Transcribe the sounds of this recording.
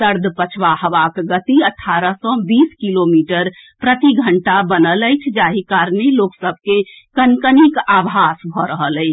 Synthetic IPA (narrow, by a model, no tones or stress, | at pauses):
səɾd̪ʱpət͡ʃʰʋahəʋakɡət̪iəʈʰːaɾəsɔ̃biskilomiʈəɾpɾət̪iɡʱəɳʈabənələjt͡ʃʰd͡ʒaɦikaɾneloksəbʱke | kənkənikabɦasbʱɔɾəɦələɪt͡ʃʰ